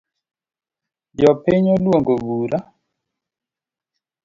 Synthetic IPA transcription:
d͡ʒɔpɪɲolwoŋɡobuɾa

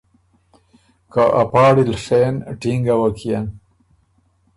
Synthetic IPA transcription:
kaʔa̰paːɽilʂeːnʈiŋɡɐwɐkʰijan

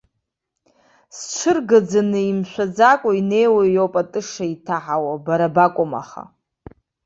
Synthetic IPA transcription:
sʈ͡ʂʷʰɨrɡad͡zanɨimʃʷᶣad͡zakʷʼaine̞jwajowpʼatʼɨʂaitʰaħawabaɾabakʷʼʊma̰χa̰

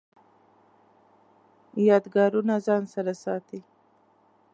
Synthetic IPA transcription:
jɑd̪ɡɑɾunazɑnsaɾasɑt̪i

